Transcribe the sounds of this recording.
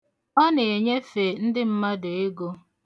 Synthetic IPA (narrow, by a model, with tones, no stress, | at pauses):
ɔ˦ne˨e˨ɲe˦fe˨n̩˦dɪ˦m̩˦ma˦do˨e˦ɡo˦